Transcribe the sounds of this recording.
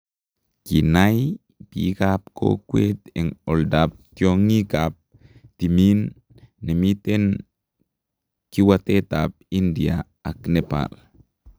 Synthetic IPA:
kinaj | pikap̚kʰo̰kʷwet̪enoldap̚t̪joŋikap̚ | t̪iminː | emiten | kiwat̪et̪ap̚india̰ | aknepa̰l

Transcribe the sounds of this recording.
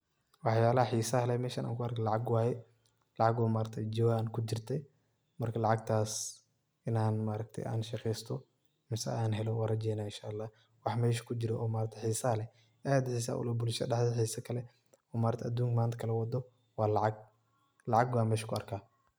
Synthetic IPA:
wɑħjaːlɐhɐħiːsɐhlɛmɛːʃɐnʔa̰ːŋkʰʊɐrkʰɛlɑʕɑɡwaːjɛ | lɑʕɑɡɔːmaːɾɐt̪ʰɛd͡ʒɪwaːnkʰʊd͡ʒɪrt̪ʰɛ | mɐrkʰɐlɑʕɑɡ̚t̪ʰaːs | ʔɪnaːnmaːɾɐɡ̚t̪ʰɛ̰jʔa̰ːnʃɐqɛjst̪ʰɔ | mɪsɛaːnɦɛlɔwɐɾɐd͡ʒɛjnaːɪnʃaʔːlːaːh | wɑħmɛːʃkʰʊd͡ʒɪɾɔɔːmaːɾɐt̪ʰɛħiːsɐhɐlɛ | ʔajɐd̪ħiːs̬ɐ̰ʔʊ̰lɐbʊlʃɐɖɑħdħiːsɐkʰɐlɛ | ɔːmaːɾt̪ʰɛʔːd̪uːŋkmaːnt̪ɐ̥kʰɐlɛwɐd̪ɔ | wɑːlɑʕɑɡ̚ | lɑʕɑɡbaːmɛːʃkʰʊɐrkʰaː

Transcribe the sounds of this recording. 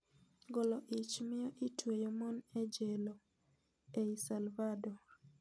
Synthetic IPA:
ɡɔlɔʔit͡ʃmɪjɔʔitwejɔmɔnɛd͡ʒɛlɔ | eisalvadɔ

